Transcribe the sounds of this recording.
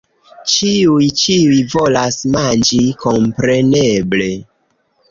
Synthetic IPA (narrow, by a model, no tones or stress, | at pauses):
t͡ʃiujt͡ʃiujvo̞lasmand͡ʒiko̞mpɾe̞neble̞